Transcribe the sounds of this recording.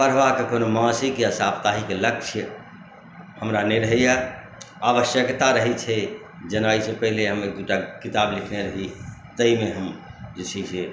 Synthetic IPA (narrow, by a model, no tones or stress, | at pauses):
pəɾʋakekonomãsikjasapt̪aɦikeləkt͡ʃʰjə | həmɾaneɾəɦɛja | aʋəʃjəkt̪aɾəɦit͡ʃʰɛ | d͡ʒənaisepəɦileɦəmek̚d̪uʈakit̪ablikʰneɾəɦit̪əimeɦəmd͡ʒet͡ʃʰisʰe